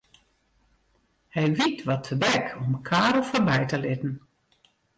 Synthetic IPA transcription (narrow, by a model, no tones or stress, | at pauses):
hɛjʋitʋɔtʰədɛkʰɔmkʰaːɾɔfɔrbɛjtəlɪtn̩